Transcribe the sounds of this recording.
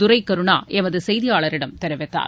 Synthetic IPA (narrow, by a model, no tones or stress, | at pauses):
ʊɾɐɪkːɐɾɯɳa̰ːʔɛmɐðɯsɛjðɪjaːɭɐɾɪɽɐmt̪ɛɾɐʋɛt̪ːa̰ːɾ